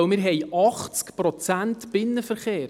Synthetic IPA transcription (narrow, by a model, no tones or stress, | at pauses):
mɪɾɦɛjʔɑχt͡skpɾɔt͡sæntb̥ɪnːəfəɾχeːɾ